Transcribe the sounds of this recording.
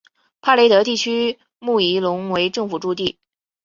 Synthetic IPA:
pʰa˥le˧˥ɪt̪ɤ˧˥t̪i˥˩t͡ɕʰy˥ | mu˥˩i˧˥lʊ˧˥ŋwe˧˥ɪʈ͡ʂɤ˥˧ŋfu˨˩ʈ͡ʂu˥˧t̪i˥˩

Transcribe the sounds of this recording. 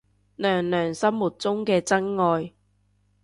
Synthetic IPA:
lœː˨˩ŋlœː˨˩ŋsɐ˥mmuː˨˩t̚t͡sʊ˥ŋkɛː˧t͡sɐ˥ŋŋɔː˨˧j

